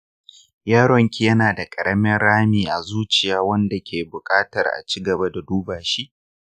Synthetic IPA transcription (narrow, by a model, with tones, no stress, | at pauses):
jaː˦ɽɔ˨ŋkʲi˦jɐ˦naː˨da˨kʼɐ˨ɽɐ˦mɪ˦nɽaː˦miː˨ʔa˨zuː˦t͡ʃɪ˨jaː˦wɐ˦nda˨kʲeː˨bʊ˨kʼaː˦tɐ˨rʔa̰˨t͡ʃiː˦ɡɐ˨ba˦da˨duː˦baː˨ʃi˦ʔ